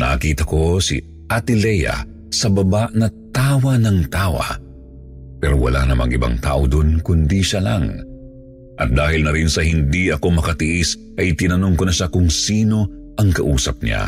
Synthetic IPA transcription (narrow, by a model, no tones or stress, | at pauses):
nɐkiːt̪ɐko̞sḭ | at̪ɪlɛjɐ̰ | sɐbɐbaʔnɐt̪aːwɐnɐŋt̪aːwɐ̰ | pɛɾo̞wɐ̰lanɐmɐ̰ɡʔɪ̰ba̰ŋt̪a̰ːʔod̪onkʊnd̪iʃalɐ̰ŋ | ʔɐt̪̚d̪aːhɪlnɐɾinsɐhɪnd̪iɐko̞mɐkɐt̪ɪʔis | ʔɐjt̪ɪnɐno̞ŋkonɐʃakʊŋsiːno̞ | ʔɐŋkɐʔuːsɐp̚ɲa̰